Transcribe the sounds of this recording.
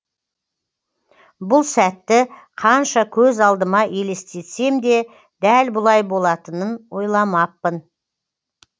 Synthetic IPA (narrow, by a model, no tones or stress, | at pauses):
bʊlˠsæt̪ːɪqʰɑnʃɑkʲʰɵzɑlˠd̪əmɑʔe̞le̞st̪e̞t̪se̞md̪e̞ | d̪ælbʊlˠɑjbo̞lˠɑt̪ənənwo̞jlˠɑmɑpːən